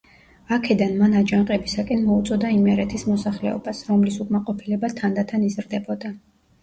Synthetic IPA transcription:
akʰɛd̪anmanad͡ʒaɴqʼɛbisakʼɛnmɔut̪sʼɔd̪aimɛɾɛt̪ʰismɔsaχlɛ̰ɔ̰basɾɔmlisukʼmaqʼɔpʰilɛbat̪ʰand̪at̪ʰanizɾd̪ɛbɔd̪a

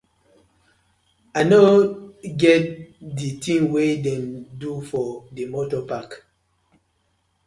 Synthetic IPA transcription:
anoɡɛt̚ditĩŋwedɛ̃ndufɔdemotɔpak

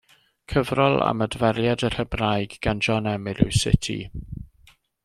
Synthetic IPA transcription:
kʰəvrɔlˠa̰mədvɛɾjadər̥əbrajɡɡ̥and͡ʒɔnɛmɪlɪ̰wsɪ̰tʰḭ

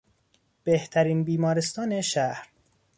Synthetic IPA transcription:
b̥eht̪ʰæɾiːnbiːmɒːɾest̪ɒːneʃæhɾ

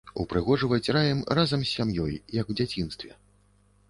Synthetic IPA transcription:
ṵpɾɨɣɔʐɨvɐt͡sʲrajɛmrazɐmsʲːamjɔjjɐkwd͡zʲat͡sʲinst̪vʲɛ̰

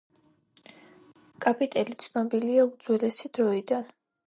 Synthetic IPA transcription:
kʼapʼit̪ʼɛlit̪sʰnɔbiliaud̪zwɛlɛsid̪̥ɾɔid̪an

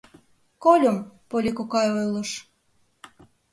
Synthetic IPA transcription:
kolʲompolʲikokɑjojlɤʃ

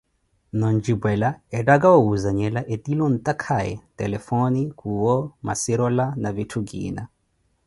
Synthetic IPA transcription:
nɔnd͡ʒibwɛlaɛtaɡaɔuzaɲɛlaʔɛt̪ilɔn̩t̪ʼakʰaɛ̰tɛlɛfɔnikʰuwɔma̰siɾɔlanavitʰuɡḭːna̰

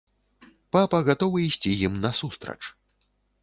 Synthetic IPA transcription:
papɐɣat̪ɔvɨisʲt͡sʲijimnɐsust̪ɾɐ̰t͡ʂ

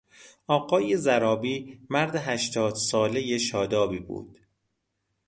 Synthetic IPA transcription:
ɒːɢɒːjezæɾɒːbiːmæɾd̪eɦæʃt̪ʰɒːd̪̥sɒːlejeʃɒːd̪ɒːbiːbṵːd̪̥

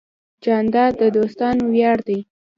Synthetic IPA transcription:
d͡ʒɑnd̪ɑd̪əd̪ost̪ɑnowjɑɽd̪aj

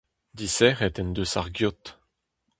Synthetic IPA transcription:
d̪isɛːʁɛt̪ɛnd̪øsaʁɡjot̪

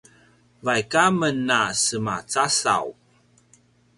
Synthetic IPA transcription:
vajkamənːasəma̰t͡sasa̰w

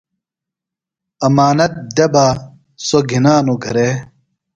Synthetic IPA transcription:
ɐmaːnɐt̪̚d̪ɐba | soɡʱinaːnuɡʱɐɾe

